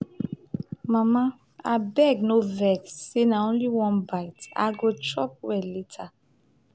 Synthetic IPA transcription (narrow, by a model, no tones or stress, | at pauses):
mãmã | a̰bɛɡnovɛɡsenaõnliwɔ̃nbajta̰ɡot͡ʃɔp̚wɛletʰa